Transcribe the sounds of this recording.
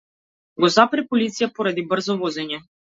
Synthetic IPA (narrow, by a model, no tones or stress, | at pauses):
ɡɔzapɾɛpɔlit̪sijapɔɾad̪ibr̩zɔvɔzɛɲɛ